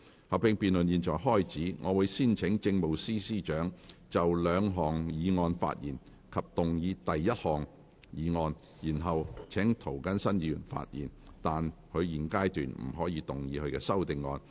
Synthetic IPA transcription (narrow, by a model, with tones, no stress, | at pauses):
hɐ˨wpɪ˧ŋpiː˨nlɵ˨njiː˨nt͡ʃɔ̰ː˨˩jɦɔː˥˩jt͡siː˨˥ŋʔɔ̰ː˨˧wuː˨˧jsiː˥nt͡sʰɪ˨˥ŋt͡sɪ˧ŋmo˨wsiː˥siː˥t͡ʃœː˨˥ŋt͡sɐ˨wlœː˨˧ŋɦɔː˨˩ŋjiː˨˧ŋɔː˧nfa̰ː˧t̚jḭː˨˩n | kʰɐ˨p̚t̪ʊ˨ŋjiː˨˧t̪ɐ˨jːɐ˥t̚hɔː˨ŋ | jiː˨˧ŋɔː˧n | jiː˨˩nɦɐ˨wt͡sʰɛ˨˥ŋt̪ʰo˨˩wkɐ˥nsɐ˥njyː˨˧nfa̰ː˧t̚jiː˨˩nt̪aː˨nhɵ˨˧ɥjiː˨˩nkaː˥jt̪yː˨˩nm̩˨˩ɦɔː˨˥jiː˨˧t̪ʊ˨ŋjiː˨˧hɵ˧ɥkɛː˧sɐ˥wt̪ɪ˨ŋːɔː˧n